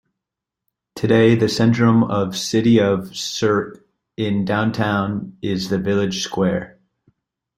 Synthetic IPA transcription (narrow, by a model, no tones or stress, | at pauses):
tʰɨdeɪðɨsɛ̃nt͡ʃɹ̥ə̃mʌv̥sɪɾiʌv̥sɜ˞ɾ | ɪ̃ndãʊ̃ntʰãʊ̃nɪzðɨvɪlˠɨd̥ʒ̥skwɛɹ